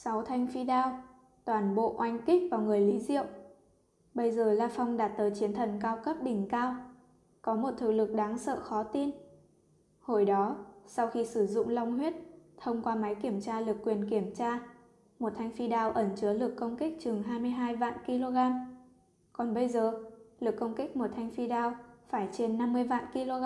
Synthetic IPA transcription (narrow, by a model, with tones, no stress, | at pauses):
sa˨˦wt̪ʰa˧jŋ̟fi˧ɗaː˧w | t̪waː˧˩nɓo̰˧˨ʔwa˧jŋ̟ki˦˥k̚vaː˨˩wŋɨ˨˩əjli˨˦zḭ˧˨əw | ɓə˧jzəː˨˩laː˧fa˧wŋ͡mɗaː˨˩t̚t̪əː˨˦jt͡ɕi˨˦ənt̪ʰə˨˩nkaː˧wkə˦˥p̚ɗï˨˩ŋ̟kaː˧w | kɔ˨˦mo˨˩t̚t̪ʰɨ˨˩lɨ˨˩k̚ɗaː˨˦ŋsə̰ː˧˨xɔ˨˦t̪i˧n | ho˧˩jɗɔ˨˦sa˧wxi˧sɨ˧˩zʊ̰˧˨ŋ͡mla˧wŋ͡mhwi˦˥ət̚t̪ʰə˧wŋ͡mkwaː˧ma˨˦jki˧˩əmt͡ɕaː˧lɨ˨˩əkːwi˨˩ənki˧˩əmt͡ɕaː˧ | mo˨˩t̚t̪ʰa˧jŋ̟fi˧ɗaː˧wʔə˧˩nt͡ɕɨ˨˦əlɨ˨˩əkːə˧wŋ͡mki˦˥k̟̚t͡ɕɨ˨˩əŋɦaː˧jmɨ˧əjɦaː˧jva̰ː˧˨nki˧lo˧ɣaː˧m | kɔ˨˩nɓə˧jzəː˨˩lɨ˨˩əkːə˧wŋ͡mkï˦˥k̚mo˨˩t̚t̪ʰa˧jŋ̟fi˧ɗaː˧wfaː˧˩jt͡ɕe˧nːa˧mːɨ˧əjva̰ː˧˨nki˧lo˧ɣ